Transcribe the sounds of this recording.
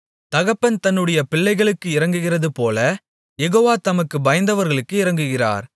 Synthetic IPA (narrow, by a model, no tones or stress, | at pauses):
t̪ɐɣɐpːɐnt̪ɐnːɯɽɐjɐpɪɭːɐɪɣɐɭɯkːɯɪɾɐŋɡɯɣɪrɐðɯpoːlɐ | jɛɣoːʋaːt̪ɐmɐkːɯbɐjɐnd̪ɐʋɐɾɣɐɭɯkːɯɪɾɐŋɡɯɣɪra̰ːɾ